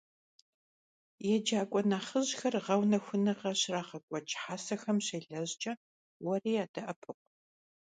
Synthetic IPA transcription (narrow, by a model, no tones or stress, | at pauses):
jɛd͡ʒaːkʷʼɔnaːχəʑxɐrʁɐwnɐxʷʊnɨʁɐɕraːʁɐkʷʼɔt͡ʃʼħaːsɐxɐmɕeɮɐʑt͡ʃʼɐ | wɐriːjaːdɐʔɐpʰɨqʷ